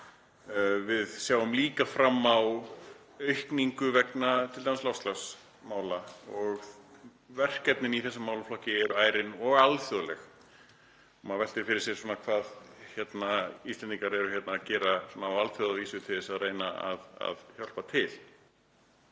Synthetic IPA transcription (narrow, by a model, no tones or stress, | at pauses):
vɪðsjaːwʏmliːkafɾamːaw | œɥhkniŋkʏvɛknat̪ʰɪlt̪amslawst̪las | maːwlaɔɣ | vɛr̥kɛt̪̚nɪniθɛsːamaːwlaflɔhcɪɛɾʏaːjɾɪnɔɣalθœðlɛx | maðvɛl̥t̪ɪɾ̥fɪɾɪɾ̥sjɛɾsɔːnakʰvaːðçjɛt̪naist̪ɛnt̪iŋkaɾɛɾʏçjɛt̪naːcɛːɾasɔnaːwalθœðaviːsʏt̪ʰɪðɪsaðreːjnaa̰ða̰ðçjɔl̥pat̪ʰɪl̥